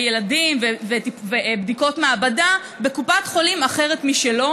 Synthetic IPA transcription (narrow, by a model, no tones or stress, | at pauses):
jeladimvevetivebdiko̞tmeabada | be̞kupat̪χo̞limaχe̞ʁetmiʃelo̞